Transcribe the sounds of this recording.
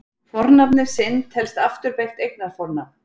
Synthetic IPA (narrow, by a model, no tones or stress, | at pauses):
fɔɾnapnɪɾ̥sɪnt̪hɛlst̪aft̪ʏɾpejxt̪ejknaɾ̥fɔɾna